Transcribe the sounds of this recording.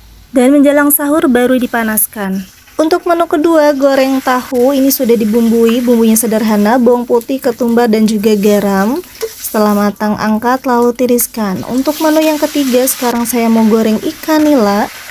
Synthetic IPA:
danməɲd͡ʒalaŋsaɦʊrbaɾudipanaskan | unt̪ʊk̚mənukəduaɡoɾɛŋt̪ahuinisudahdibumbuibumbuɲasədarɦanabɔŋput̪ɪhkət̪umbardand͡ʒuɡaɡaɾam | sə̥t̪əlahmat̪aŋʔa̰ŋkat̪lalut̪iɾiskanṵnt̪ʊk̚mənujaŋkət̪iɡasə̥kaɾaŋsajamaɡoɾɛŋikanilah

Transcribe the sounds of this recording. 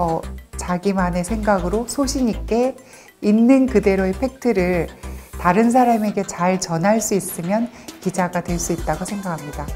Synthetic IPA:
ʌt͡ɕaɡimane̞sʰe̞ŋɡaɡɯɾosʰoɕʰiɲik͈e̞ | inːɯnkɯde̞ɾoepʰe̞k̚tʰɯɾɯɭtaɾɯns̬ʰaɾame̞ɡe̞t͡ɕaɭt͡ɕʌnɦaɭs͈uis͈ɯmjʌnkid͡ʑaɡatwe̞ɭs͈uit̚t͈aɡosʰe̞ŋɡakʰamɲida

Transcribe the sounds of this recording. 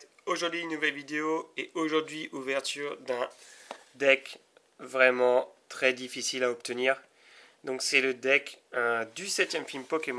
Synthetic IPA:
oʒuʁd̪ɥinːuvɛlvid̪eoeoʒuʁd̪ɥiʔuvɛʁt̪yʁd̪ɛ̃d̪ɛk | vʁɛmɑ̃t̪χɛd̪ifisilaɔp̚t̪əniːʁ | d̪ɔ̃ksɛləd̪ɛkød̪ysɛt̪jɛmfilmpɔkʲemɔ

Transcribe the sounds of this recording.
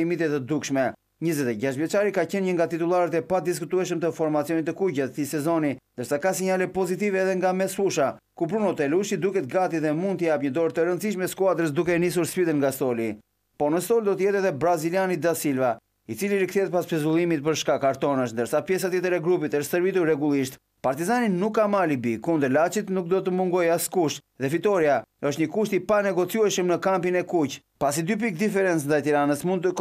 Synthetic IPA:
imit̪ɛt̪əd̪ukʃmɛ | ɲəzɛt̪ɛɟaʃt̪vjɛt͡ʃaɾikacɛnɲəŋɡat̪it̪ulˠaɾət̪ɛpad̪is̬kut̪uɛʃ̬əmt̪əfɔɾmat͡siɔnit̪ːəkuɟɛt̪θisɛzɔnind̪əɾsakasiɲalɛpɔzit̪̬ivɛːðɛŋɡamɛsfuʃa | kup̬ɾunɔt̪ɛluʃid̪ukɛt̪əɡat̪iðɛmund̪̚t̪əjapɲəd̪ɔɾt̪əɾənt̪t͡siʃmɛskuad̪ɾəs̬d̪ukɛnis̬uɾspid̪ənŋɡast̪ɔli | pɔnəst̪ɔld̪ɔt̪əjɛt̪ɛðɛbɾazilianid̪asilva | it͡siliɾikθɛt̪̚paspɛzulˠimit̪̚pəɾʃkakaɾt̪ɔnəʃnd̪əɾsapjɛs̬at̪jɛt̪əɾɛɡɾupit̪əʃt̪t̪əɾvit̪uɛɡulˠiʃt̪ | paɾt̪izaninukːamalibikund̪əɾlat͡ʃit̪nuk̚d̪ɔt̪əmuŋɡɔjaskuʃt̪ | ðɛfit̪ɔɾiaəʃt̪ɲəkuʃt̪ipanɛɡɔt͡sjuɛʃəmnəkampinɛkuc | pasid̪yp̬ik̚d̪ifɛɾɛnt͡snd̪ajt̪iɾanəsmunt̪ə

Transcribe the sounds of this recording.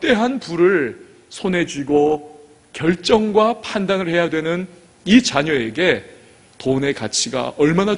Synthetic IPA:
t͈e̞ɦanpuɾɯɭ | sʰonɦe̞d͡ʑiɡo | kjʌɭt͡ɕ͈ʌŋɡwapʰandanɯɭhe̞jadwe̞nɯn | it͡ɕaɲʌe̞ɡe̞ | tone̞kat͡ɕʰiɡa̰ʌɭmana

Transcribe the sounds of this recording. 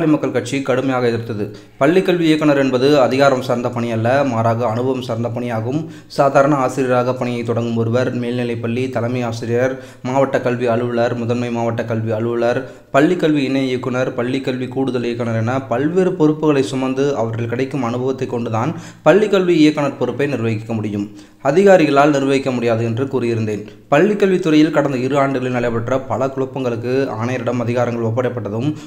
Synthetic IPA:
lɐɪmɐkːɐɭkɐʈ̚t͡ʃikɐɽɯmɐjaːɣɐɛðɪɾɯt̪ːɐðɯ | pɐɭːɪkːɐɭʋiɪjɐkːɐɳɐɾɛnbɐðɯɐðɪɣaːɾɐmsɐɾnd̪ɐpɐɳɪjɐlːɐmaːɾaːɣɐːnɯbʱɐʋɐmsɐɾnd̪ɐpɐɳɪjaːɣɯm | saːðaːɾɐɳɐaːsɪɾɪjɐɾaːɣɐpɐɳɪjɐɪt̪ːɔɽɐŋɡɯmɔɾɯʋɐɾmeːlnɪlɐɪpɐɭːit̪ɐlɐmɐɪjaːsɪɾɪjɐɾ | maːʋɐʈːɐkɐɭʋiɐɭɯʋɯɭɐɾmʊðɐnmɐɪmaːʋɐʈːɐkɐɭʋiɐɭɯʋɯɭɐɾ | pɐɭːikːɐɭʋiɪnːɐɪjɛkːɯɳɐɾpɐɭːikːɐɭʋikuːɽɯðɐlɪjɐkːɐɳɐɾɛnːɐpɐlʋeːɾɯpɔɾɯpːɯɣɐɭɐɪsʊmɐnd̪ɯɐʋɐɾrɐɭkɪɽɐɪkːɯmɐnɯbʱɐʋɐt̪ːɐɪkːɔɳɖɯðaːn | pɐɭːɪkːɐɭʋiɪjɐkːɐɳɐɾpɔɾɯpːɐɪnɪɾʋɐɣɪkːɐmʊɽɪjɯm | ɐðɪɣaːɾɪɣɐɭaːlnɪɾʋɐɣɪkːɐmʊɽɪjaːðɯɛndrɯkuːɾɪjɪɾɯnd̪eːn | pɐɭːɪkːɐlʋit̪ːɯɾɐjɪlkɐɽɐnd̪ɐɪɾɯaːɳɖɯɣɐɭɪlnɐɭɐɪpɐʈrɐpɐɭɐkʊɭɐpːɐŋɡɐɭɯkːɯaːɳɐjɐɾɪɽɐmɐðɪɣaːɾɐŋɡɐɭɔp̬ːɐɽɐpːɐʈːɐðɯm

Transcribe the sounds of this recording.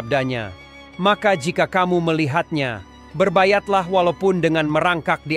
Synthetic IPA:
b̚daɲa̰ | makad͡ʒikakamuməliɦat̪̚ɲa̰ | bərbajat̪̚laɦwalawpʊndəŋanməɾaŋkak̚di

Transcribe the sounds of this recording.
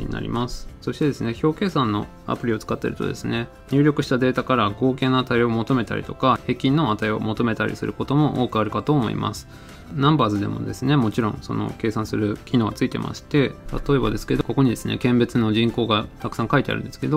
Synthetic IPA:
ḭɲ̟ḭna̰ɾʲḭmasɨ̥so̞ɕi̥t̪e̞d̪e̞sɨne̞ço̞ːke̞ːsãnːo̞ | a̰pɯ̟ɾʲio̞t͡sɨ̥kat̪ːe̞ɾɯ̟t̪o̞̰d̪e̞sɨne̞ | ɲ̟ʲɨːɾʲokɯ̟ɕi̥t̪ad̪e̞ːt̪akaɾaɡo̞ːke̞ːnaːt̪aio̞mo̞t̪o̞me̞t̪a̰ɾʲḭt̪o̞kahe̞ːkʲːĩnːo̞at̪aio̞̰mo̞t̪o̞me̞t̪aɾʲḭsɨɾɯ̟ko̞t̪o̞mo̞ʔo̞ːkɯ̟aɾɯ̟kat̪o̞ːmo̞̰ḭma̰sɨ̥ | nãmbaːzɨd̪e̞̰mo̞̰d̪e̞sɨne̞mo̞t͡ɕiɾõ̞̰ŋ̃so̞̰no̞̰ke̞ːsãsɨɾɯ̟kʲino̞ːɡat͡sɨit̪e̞̰mʔa̰ɕi̥t̪e̞t̪at̪o̞e̞bad̪e̞sɨ̥ked̪oko̞ko̞ɲ̟id̪e̞sɨne̞̰kẽ̞mbe̞t͡sɨno̞ʑĩŋko̞ːɡat̪akɯ̟sãŋkait̪e̞a̰ɾɯ̟nesɨ̥ke̞d̪o̞

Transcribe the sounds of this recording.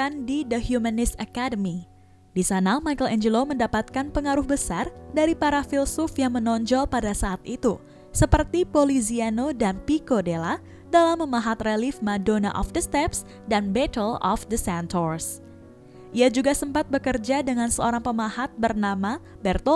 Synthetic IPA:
andidəhjumənɪsakadəmi | disanamajkəlɛɲd͡ʒəloməndapat̪̚kanpəŋaɾʊhbəsardaɾipaɾafilsʊfjaŋmənɔɲd͡ʒɔlpadasaʔːt̪it̪u | səpərt̪ipolizianodanpikodela | dalamːəmaɦat̪relifmadona̰ʔɔ̰fdəst̪ɛps | danbɛtəlɔ̰fdəsɛntʰɔrs | ʔiad͡ʒuɡasəmpat̪̚bəkərd͡ʒadəŋansəoɾaŋpəmaɦat̪̚bərnama | bɛrt̪o

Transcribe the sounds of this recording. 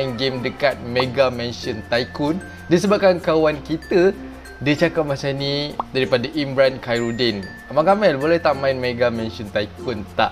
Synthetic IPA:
nɡemdəkat̪̚meɡamɛ̃nʃɔnt̪aikʊn | dis̬əbap̚kankawankit̪ə | dət͡ʃakap̚mat͡ʃanĩdaɾipadaʔimbɾankajɾudɛn | amãkamɛlbolɛht̪aʔmãɪnmeɡamɛ̃nʃɔnt̪aikʊnt̪a̰ʔ

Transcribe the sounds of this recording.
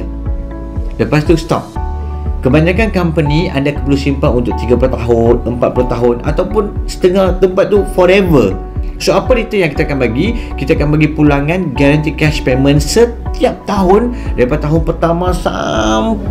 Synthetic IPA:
dəpast̪ust̪ɔ̰p̚ | kəbaɲãkankampənĩa̰ndakəpəlusimpaŋunt̪ʊk̚t̪iɡaplot̪aɦʊnəmpat̪̚pulut̪aɦʊna̰t̪awpʊnsə̥t̪əŋaht̪əmpat̪̚ːufɔɾɛvə | soapadit̪əjãŋkit̪akanbaɡikit̪aakanbaɡipulaŋãnɡaɾant̪ikɛspemə̃nsət̪iap̚t̪aɦʊndaipat̪aɦʊnpərt̪amãsa̰m

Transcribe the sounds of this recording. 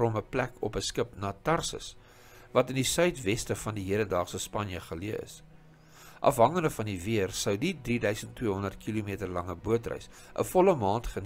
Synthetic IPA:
ɔməplækʰɔ̰pəskəpnɑːtɐrsə̰s | vɐtəndisœɥtvɛstəfɐndiɦiədəndɑːχsəspɐnjəχəliəə̰s | ʔɐ̰fɦɐŋəndəfɐndiviərsəwdidridœɥsəntːwiəɦɔndərt̚kʰilumiətərlɐŋəbuətrœ̰ɥs | ʔə̰fɔləmɑːntχən

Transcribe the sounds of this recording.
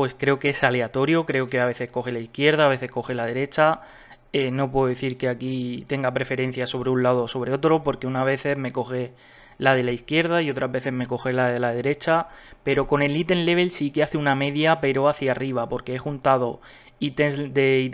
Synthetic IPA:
pwe̞skɾe̞okesale̞at̪o̞ɾjokɾe̞o̞ke̞aβe̞θe̞sko̞xelaiθkje̞ɾð̞aːβ̞e̞θe̞sko̞xe̞laðe̞ɾe̞t͡ʃa | eno̞p̬we̞ðoðeθiɾke̞akit̪e̞ŋɡapɾe̞fe̞ɾẽ̞n̟θjaso̞β̞ɾeunlaðoːso̞β̞ɾe̞o̞t̪ɾo̞po̞ɾkeunaβ̞e̞θe̞zme̞ko̞xe̞ | lað̞e̞laiθkje̞ɾð̞aio̞t̪ɾazβeθe̞zme̞ko̞xe̞laðelaðe̞ɾe̞t͡ʃape̞ɾo̞ko̞ne̞lːit̪e̞nle̞βe̞lsikeaθeuname̞ðjape̞ɾo̞aθjariβ̞apo̞ɾkeexunt̪að̞o̞ | it̪esd̪ei

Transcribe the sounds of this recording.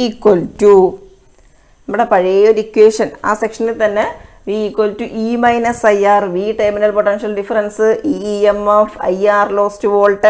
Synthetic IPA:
kwoltu | nɐmːuɽepɐɻiejoɾikʲːweːʂɐna̰ːsekʂɐnit̪ɐnːe | ʋiikːwoltuʔiːmɐjnɐsɐjaːrʋiːʈeːminɐlpoʈːenʂɐlɖifɐɾɐnsɨiemoːfɐ̰jaːrloːstuʋo̞ːlʈːɐ

